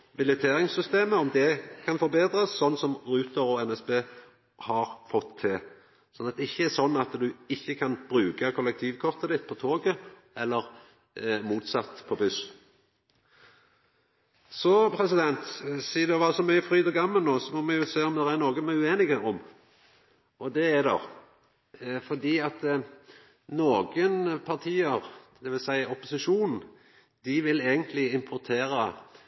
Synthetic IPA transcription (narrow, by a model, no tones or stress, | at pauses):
bɪlɛt̪ʰeːɾɪŋsʏst̪eːməɔmd̪ɛkʰɑnfɔɾbeːd̪ɾəsːɔnːsɔmɾʉːt̪əɾɔɛnɛsbeː | hɑɾfɔt̪ʰːɪ | sɔnɑt̪̚d̪ɛɪçːəæɾsɔnːɑt̪d̪ʉɪçːəkʰɑnb̥ɾʉːkɑkʰɔlːɛk̚t̪ʰiːʋkʰɔʁt̪əd̪ɪt̪ːpʰɔt̪ʰoːɡə | ɛlːəʁ | muːt̪sɑt̪ːpʰɔbʉs | sɔpʰɾɛsɪd̪ɛnt̪siːd̪ɛʋɑːsɔmœʏəfɾyːd̪ɔɡɑmːəlnoːsɔmɔmɛjʊseːɔmd̪ɛɾænoːɡəmɛʉeːnɪɡəɔm | ʔɔd̪ɛæd̪ɔ̰ | fɔd̪iːɑt̪ | noːɡənpʰɑʁt̪ʰiːəɾd̪ɛʋɪlsæɪɔpʊsɪʂuːnn̩ | d̪ɪʋɪleːɡənt̪ʰlɪɪmpʰɔɾt̪ʰeːɾə